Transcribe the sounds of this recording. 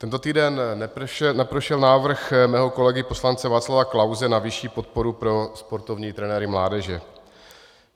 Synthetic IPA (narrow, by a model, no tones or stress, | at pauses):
t̪ɛnt̪o̞t̪iːdɛnːɛʃɛnɛpɾoʃɛlnaːvr̩xmɛːɦo̞ko̞lɛɡɪpo̞slant͡sɛvaːt͡slavaklawzɛnavɪʃiːpot̪̚po̞ɾupɾo̞spo̞ɾt̪o̞vɲiːt̪ɾɛnɛːɾɪmlaːdɛʒɛ